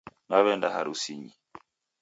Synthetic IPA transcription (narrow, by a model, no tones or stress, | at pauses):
naβɛndahaɾusiɲi